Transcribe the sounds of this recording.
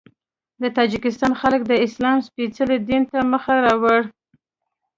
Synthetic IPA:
d̪ət̪ɑd͡ʒɪkɪst̪ɑnxalək̚d̪əɪslɑmspit͡səled̪int̪aməxaɾɑwəɽ

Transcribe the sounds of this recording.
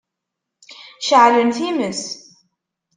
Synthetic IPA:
ʃəʕlənθiməs

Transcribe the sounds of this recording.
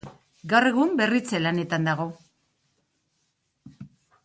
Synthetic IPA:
ɡawre̞ɣ̞umbe̞rit͡selane̞t̪and̪aɣ̞o̞

